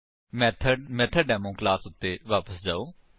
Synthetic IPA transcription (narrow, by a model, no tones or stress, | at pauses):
mɛt̪ʰmɛt̪ʰəɖɛːmõːklaːsʊt̪ːeːʋaːpəsd͡ʒaːoː